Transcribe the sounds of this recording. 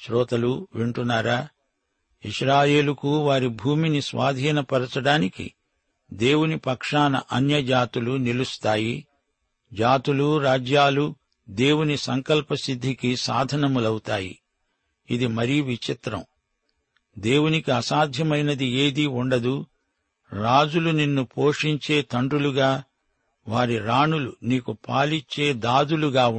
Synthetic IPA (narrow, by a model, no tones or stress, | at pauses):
ʃɾɔːt̪ɐluʋeɳʈunːaːɾaː | iʃɾaːje̞ːlukuʋaːɾibʱuːminisʋaːd̪ʱiːnɐpɐɾɐt͡ʃɐɽaːnikḭ | d̪e̞ːwunipɐkʂaːnɐ̰ʔɐnjɐd͡ʒaːt̪ulunilust̪aːji | d͡ʒaːt̪uluɾaːd͡ʒjaːlu | d̪e̞ːwunisɐŋkɐlpɐsid̪ʱːikisa̰ːd̪ʱɐnɐmulɐwut̪aːjḭ | id̪imɐɾijuʋit͡ʃit̪ɾɐ̰m | d̪e̞ːwunikiɐsaːd̪ʱjɐmɐjnɐd̪ieːd̪iuɳɖɐd̪u | ɾaːd͡ʒuluninːupʰoːʂiɲt͡ʃe̞ːt̪ɐɳɖuluɡaː | ʋaːɾiɾaːɳuluniːkupaːliɲt͡ʃe̞ːd̪aːd̪uluɡaː